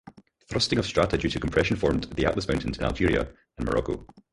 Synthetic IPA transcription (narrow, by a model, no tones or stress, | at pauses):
θɹʌstɪ̃ŋəv̥stɹ̥aʔəd͡ʒʉtʰəkʰə̃mpʰɹ̥ɛʃə̃nfɔɹmðia̰ʔlˠəsmãʊ̃ntɪ̃nzɪ̃na̰lˠd͡ʒiɹiə̰ | ə̃nmə̰ɹɔ̰ko̰